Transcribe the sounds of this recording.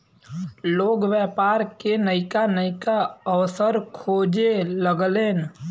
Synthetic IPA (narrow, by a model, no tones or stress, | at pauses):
loːɡʋjɛːpaːɾkenəɪkanəɪkaəʋsəɾkʰoːd͡ʒeləɡleːn